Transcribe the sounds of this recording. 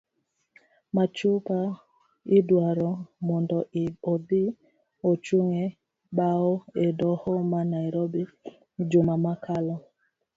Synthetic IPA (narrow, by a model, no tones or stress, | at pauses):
mat͡ʃupa | idwaɾɔmɔndɔodi | ot͡ʃuŋe | baoedɔhɔmanajɾobi | d͡ʒʊmamakʰalɔ